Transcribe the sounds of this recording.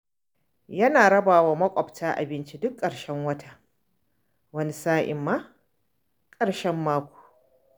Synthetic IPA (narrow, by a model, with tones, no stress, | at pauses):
jɐ˦naː˨ɽɐ˦baː˨waː˦mɐ˦kʷʼɔ˨btʰaː˦ʔa̰˨bɪ˦nt͡ʃi˦dʊ˦kʼːɐ˨ɽʃɛ˦ŋwɐ˦tʰa˨ | wɐ˦ni˦saː˦ʔɪ̰˨mːaː˦ | kʼɐ˨ɽʃɛ˦mːaː˦kʷu̥ː˨